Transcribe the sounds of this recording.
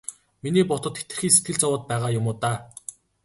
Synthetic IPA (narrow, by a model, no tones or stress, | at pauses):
miniːpɔt̪ɞ̆t̪xet̪ɘ̆rxiːŋs̬et̪̚ɡɘ̆ɮt͡sɔwʊːt̪̚pæːʁaːjʊmʊːt̪aː